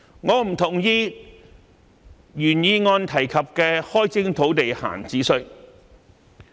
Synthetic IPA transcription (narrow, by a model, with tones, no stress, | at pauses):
ŋɔː˨˧m̩˨˩t̪ʰʊ˨˩ŋjiː˧ | jyː˨˩njiː˧ŋɔː˧nt̪ʰɐ˨˩jkʰɐ˨p̚kɛː˧hɔː˥jt͡sɪ˥ŋt̪ʰo˨˥wt̪e˨jha̰ː˨˩nt͡siː˨˥sɵ˧˥